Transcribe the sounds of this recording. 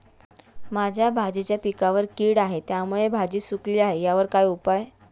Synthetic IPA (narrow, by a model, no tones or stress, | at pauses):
mad͡ʑʱjabʱad͡ʑit͡ɕjapikaʋəɾkiːɽaɦet̪jamuɭebʱad͡ʑiːsukliːaɦejaʋəɾkajupaj